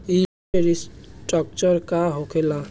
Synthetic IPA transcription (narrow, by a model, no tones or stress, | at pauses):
i | eɾisʈɔk̚t͡ʃəɾkaɦokʰela